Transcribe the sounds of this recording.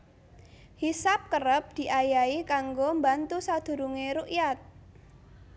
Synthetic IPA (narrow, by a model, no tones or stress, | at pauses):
hisap̚kəɾəp̚d̪̥i̤ʔajaikaŋɡombant̪usad̪̥ṳɾuŋeɾuʔjat̪̚